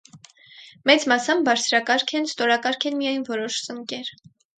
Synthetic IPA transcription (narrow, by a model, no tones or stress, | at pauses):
mɛt͡smɑsɑmbɑɾt͡sʰɾɑkɑɾkʰɛnst̪ɔɾɑkɑɾkʰɛnmijɑjnvɔɾɔʃt͡səŋkɛɾ